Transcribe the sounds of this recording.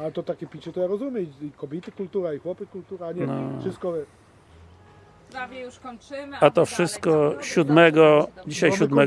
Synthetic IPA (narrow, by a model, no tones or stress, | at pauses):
alɛt̪ɔt̪akʲɛpʲit͡ɕɛt̪ɔjaɾɔzumʲjɛiikɔbʲjit̪ɘkult̪uɾaixwɔpɘkult̪uɾaɲɛnɔfʂɪst̪kɔ | ɾavʲjɛjuʂkɔɲt͡ʂɪmat̪ɔfʂɘst̪̚kɔɕud̪mɛɡɔd͡ʑiɕajɕud̪mɛ